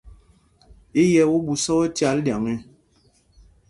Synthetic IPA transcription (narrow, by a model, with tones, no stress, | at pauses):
i˦jɛ˨˦wu˦bu˨sɔ˦wɔ˦tja˨˦ldja˨ŋi˦